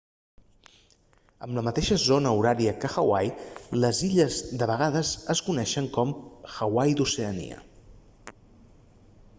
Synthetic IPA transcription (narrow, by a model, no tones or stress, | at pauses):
əmləmət̪eʃəzonəuɾaɾiəkəxəwajləziʎəzd̪əβəɣ̞aðəzəskunɛʃəŋkɔmxəwajd̪useənḭə̰